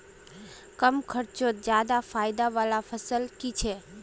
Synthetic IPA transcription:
kəmkʰəɾt͡ʃot̪d͡ʒjad̪afaːɪd̪aʋaːlafʰəsəlkit͡ʃʰe

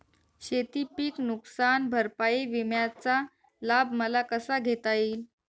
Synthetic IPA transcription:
ɕet̪ipiːknuksanbʱəɾpaiʋimjat͡sa | labʱməlakəsaɡʱet̪aiːl

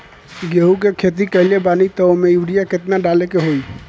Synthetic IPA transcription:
ɡeɦukekʰet̪̬ikəɦilebanit̪ɔomeibɽijaket̪naɖalekeɦoj

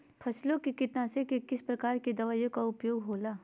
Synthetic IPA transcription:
pʰɐslõkekɪt̪nasekekɪspɾɐkaːɾked̪ɐʋaːjõkaʊpjoːɡɦoːlaː

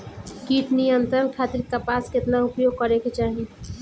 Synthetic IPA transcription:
kiːʈʰnijənt̪ɾənkʰaːt̪ɪɾkapaːskɪt̪naʊpjoːɡ̚kəɾeket͡ʃaːɦi

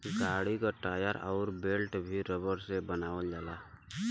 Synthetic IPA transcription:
ɡaːɽikaʈaːjəɾɔːɾbeːlʈbʱiɾəbəɾsebənaːʋəld͡ʒaːlaː

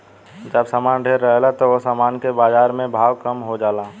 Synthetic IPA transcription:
d͡ʒəbsaːmaːnɖʱeːɾːəɦlat̪oosaːmaːnkebaːd͡ʒaːɾmẽbʱaːwkəmɦod͡ʒaːlaː

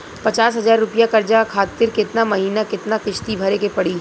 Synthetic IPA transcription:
pɐt͡ʃaːsɦɐzaːɾːʊpijakɐɾd͡ʒakʰaːt̪ɪɾkɪt̪namɐɦiːnakɪt̪nakɪʃt̪ibʱɐɾekepɐɽiː

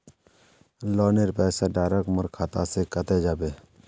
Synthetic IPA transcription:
lɔːneɾpɛːsaɖaːɾəkməɾkʰaːt̪a̰sekət̪ed͡ʒaːbeː

